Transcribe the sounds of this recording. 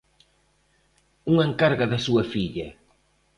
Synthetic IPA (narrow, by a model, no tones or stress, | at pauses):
uŋeŋkaɾɣaðɐsuɐfiʎɐ